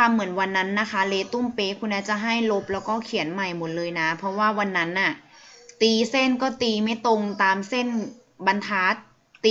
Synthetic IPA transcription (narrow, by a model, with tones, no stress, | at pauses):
a˧mːɯ˨˩˦ə˦nwa˧nːa˦˥nːa˦˥kʰa˦˥leː˧t̪u˥˩mpeː˧˩kʰu˧nːaː˦˥t͡ɕa˨˩ɦa˥˩jlo˦˥p̚lɛː˦˥wkɔː˥˩kʰi˨˩˦ənma˨˩jmo˩˦t̪̚lɤː˧jna˦˥pʰɔ˧˦˥waː˥˩wa˧nːa˦˥nʔa˨˩t̪iː˧se˥˩nkɔː˥˩t̪iː˧ma˥˩jt̪o˧ŋt̪aː˧mse˥˩n | ba˧nt̪ʰaː˦˥t̪̚ː | iː˧